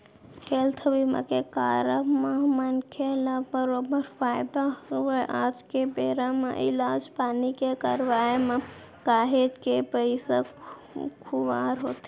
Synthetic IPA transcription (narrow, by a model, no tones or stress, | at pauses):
kelt̪ʰəbimə̰kekaːɾəmemənkʰeləbbəɾobəɾpʰaːjd̪aoʔaːd͡ʒkebeɾamḛʔḭlaːd͡ʒpaːnikekəɾʋajeme | kaːɦed͡ʒkepəɪsək | kʰuʋaɾɦoːt̪i